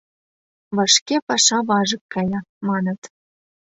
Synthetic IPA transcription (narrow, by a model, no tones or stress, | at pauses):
βɑʃkepɑʃɑβɑʒɤ̆kːɑjɑmɑnə̆t̪